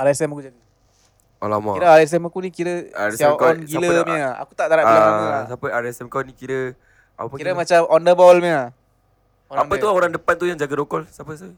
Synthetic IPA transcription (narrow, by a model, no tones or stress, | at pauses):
aɾasɛmakud͡ʒaɡ | a̰lama̰iɾəaɾas̬ɛmakunikiɾəaɾsakɔnɡiləmia̰kut̪aʔd̪aɾaaaasapəaɾasɛmkanikiɾə | ʔa̰pəkiɾəmat͡ʃamɔndəbɔlmia | oɾaŋət̪uoɾaŋdəpant̪ujaŋd͡ʒaɡadokɔlsapəsə